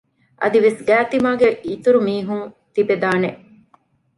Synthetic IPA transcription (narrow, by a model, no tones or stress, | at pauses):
ʔɐ̰d̪iʋesɡæːt̪imaːɡeʔiːt̪uɾumiːɦuŋ | t̪ibed̪aːneʔ